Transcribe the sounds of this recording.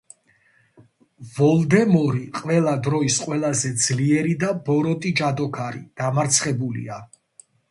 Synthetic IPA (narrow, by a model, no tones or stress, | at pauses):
vɔlˠd̪ɛmɔɾiqʼvɛlˠad̪ɾɔisqʼwɛlˠazɛd̪zliɛɾid̪abɔɾɔt̪ʼid͡ʒad̪ɔkʰaɾḭd̪̥amaɾt̪sʰχɛbulḭa